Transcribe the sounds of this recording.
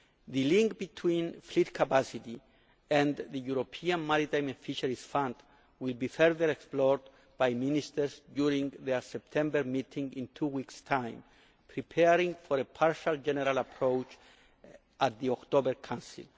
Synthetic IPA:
ðɨlĩŋk̚b̥it̪ʰwĩnflit̪kʰapasit̪i | ɛ̃nðəjuɾopʰiãnmaɾit̪ãj̃mefiʃaɹisfãnd̪ | wilbifɛɹðəɾeksplɔɹd̪ | b̥ajmĩnist̪əɹsdjuɾĩŋðeɹsɛp̚t̪ʰɛ̃mbəɹmit̪ʰĩŋɡĩnt̪ʰuwikstʰãj̃m | pʰɹipʰɛɾĩŋfɔɾepʰaɹʃald͡ʒɛnɛɾalapʰɾowt͡ʃ | at̪̚ðiɔkt̪obəɹkʰãnsḭl

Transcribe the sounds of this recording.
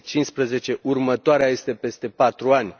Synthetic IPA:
t͡ʃinspɾəze̞t͡ʃe̞ʔurmət̪oaɾeaje̞st̪e̞pe̞st̪e̞pat̪ɾuanʲ

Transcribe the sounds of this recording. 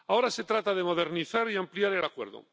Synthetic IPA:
ao̞ɾase̞t̪ɾat̪aðemo̞ð̞eɾniθaɾiampljaɾelakwe̞̰ɾðo̰

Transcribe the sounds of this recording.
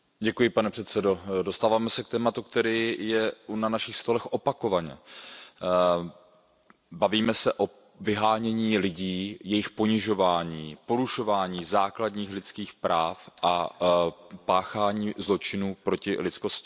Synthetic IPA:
ɟɛkujɪpanɛpr̥ɛt̪sɛdodo̞st̪aːvaːmɛsɛkt̪ɛːmat̪uk̚t̪ɛɾiːjɛunanaʃɪxst̪o̞lɛxʔo̞pako̞vaɲɛ̰ | baviːmɛsɛʔo̞ | vɪɦaːɲɛɲiːlɪɟiːjɛjɪxpoɲɪʒo̞vaːɲiːpo̞ɾuʃo̞vaːɲiːzaːkladɲiːxlɪt̪t͡skiːxpɾaːfʔa | paːxaːɲiːzlo̞t͡ʃɪnuːpɾo̞cɪ̰lɪt̪sko̞scɪ

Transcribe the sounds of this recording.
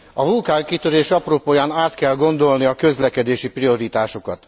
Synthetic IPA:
ɒvulkaːrkit̪øɾeːʃɒproːpoːjaːnaːt̪kɛlɡo̞nd̪o̞lniɒkø̞zlɛkɛd̪eːʃiprio̞ɾit̪aːʃo̞kɒt̪

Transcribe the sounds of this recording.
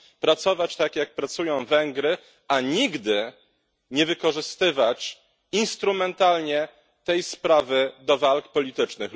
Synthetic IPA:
pɾat̪sɔvat͡ɕt̪akjak̚pɾat̪sujɔ̃w̃vɛŋɡɾɘ | aɲiɡd̪ɘ | ɲɛvɘkɔʐɘst̪ɘvat͡ɕ | inst̪ɾumɛnt̪alɲɛ | t̪ɛjspɾavɘd̪ɔvalkpɔlʲit̪ɘt͡ʂnɘx

